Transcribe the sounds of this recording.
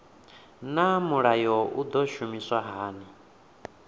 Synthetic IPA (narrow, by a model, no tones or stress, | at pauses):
namuɺajɔʔud̪ɔʃumiswaɦaːni